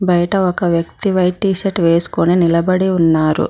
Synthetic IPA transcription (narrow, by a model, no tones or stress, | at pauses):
bɐjɐʈɐɔkɐʋjɐk̚t̪iʋɐjʈːiːʃɐʈʋeːsu̥koninilɐbɐɽiunːaːɾṵ